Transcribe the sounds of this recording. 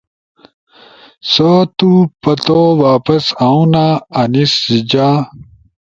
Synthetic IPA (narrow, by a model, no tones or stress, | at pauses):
sot̪upɐt̪owaːpɐsaũnaɐniszid͡ʑaː